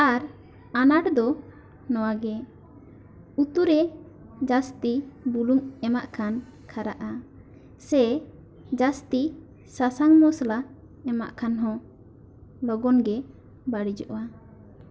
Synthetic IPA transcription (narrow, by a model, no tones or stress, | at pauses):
aɾ | anaɽd̪ɔ | nɔwaɡɛ | ut̪uɾɛ | d͡ʒast̪ibuluŋɛmaʔkʰan | kʰaɾaʔa | sɛ | d͡ʒast̪i | sasaŋmɔsla | ɛma̰ʔkʰanɦɔ̃ | lɔɡɔnɡɛ | baɽid͡ʒɔʔwa